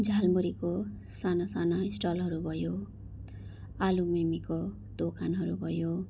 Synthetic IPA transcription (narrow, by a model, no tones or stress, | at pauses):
d͡zʱalmuɾiko | sanasanaisʈʌlɦʌɾubʱʌjo | alumemiko | d̪̥okʰanɦʌɾubʱʌjo